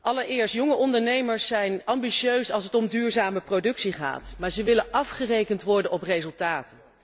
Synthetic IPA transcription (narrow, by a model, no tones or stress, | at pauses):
ʔɑləɹɪːɹstjɔŋəʔɔndəɹnejməɹsːɛjnɑmbiʃøɥsɑlˠsətɔmdyːɹzaːməprodɵksiχa̰ːtmaːɹzəʋɪlənʔɑfχərejkəntʋɔɹdənɔprejzɵlˠtaːtən